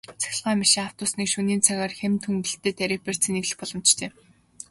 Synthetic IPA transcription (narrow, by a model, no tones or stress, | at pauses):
t͡sʰæ̥x̆ʲɮʁaːmiʃĭːaw̥t̪ʊːsniːkʃuniːnt͡sʰaɣaːrxemt̪ʰɵŋɡɘ̆ɬt̪eːt̪ʰæɾʲĭːk̚per̥t͡sĭneɣɮɘ̆xpɔɮɞ̆m̥t͡ɕt̪ʰeː